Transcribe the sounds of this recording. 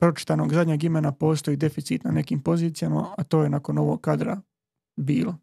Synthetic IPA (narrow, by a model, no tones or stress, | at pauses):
pɾo̞t͡ʃi̥t̪ano̞ːɡzad̪ʲɲeːɡimenapo̞ːst̪o̞jiːd̪e̞fit̪sit̪nane̞kiːmpo̞ziːt̪sijama̰at̪o̞ːje̞nako̞no̞ʋoɡ̚kːad̪ɾa | biːlo